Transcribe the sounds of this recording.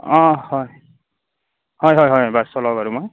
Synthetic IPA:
ʌ̃hʌj | hʌjɦʌjɦʌjʌbasʌlʌɡʌɾumʌj

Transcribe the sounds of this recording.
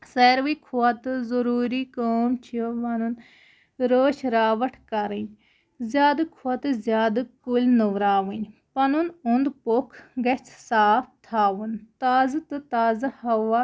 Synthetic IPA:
seːɾʋikʰuɐt̪ɨzɐɾuːɾikoːmt͡ʃʰioʋɐnun | ɾoːʃɾaːʋɐʈʰkɐɾən | zjaːd̪ɨkʰuɐt̪ɨzjaːd̪ɨkulnuʋɾaːʋɐnpɐnunund̪pokʰɡɐt͡ʃʰsaːpt̪ʰaːʋunt̪aːzɨt̪ɨt̪aːzahɐʋa

